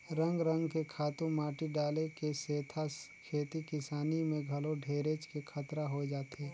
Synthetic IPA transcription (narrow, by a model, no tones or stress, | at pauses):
ɾə̃ŋɡɾə̃ŋɡkekʰaːt̪ũmaːʈiɖaːlekeseːt̪ʰakʰeːt̪ikɪsaːnimẽɡʱɐloɖʱeːɾet͡ʃkekʰət̪ɾaɦod͡ʒaːt̪eː